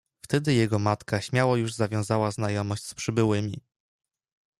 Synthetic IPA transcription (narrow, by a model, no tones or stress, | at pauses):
ft̪ɛd̪ɘjɛɡɔmat̪kaɕmʲjawɔjuʐzavʲjɔ̃w̃zawaznajɔmɔɕt͡ɕspʂɘbɘwɘmʲi